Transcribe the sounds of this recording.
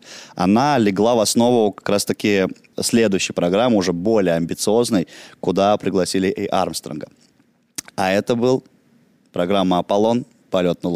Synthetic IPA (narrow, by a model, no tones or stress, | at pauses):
ɐ̰nalʲɪɡlˠavɐsno̞vʊkɐ̥kɾast̪ɐkʲɪ | sʲlʲe̞d̪ʊjʏɕːɪjpɾɐɡɾamːəʊʐɛbo̞lʲɪjəɐmʲbʲɪt̪sɨo̞znəjkʊd̪apɾʲɪɡlˠɐsʲilʲɪʔɪʔa̰rmst̪ɾə̰nɡə | ɐɛt̪əbɨlˠ | pɾɐɡɾamːəɐpɐlˠo̞n | pɐlʲo̞t̪nəlˠ